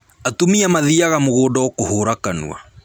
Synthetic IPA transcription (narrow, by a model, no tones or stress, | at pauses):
atomiamaðiaɣamoɣoːdɔɔkohoɾakanṵa̰